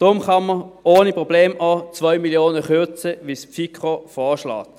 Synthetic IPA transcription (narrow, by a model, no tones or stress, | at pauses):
d̥ʁʊmχɑməoːnipʁɔbleːmʔɑːt͡svœʏmiljoːnəχʏt͡səʋispfikχofɔːʃlɑ̰ːt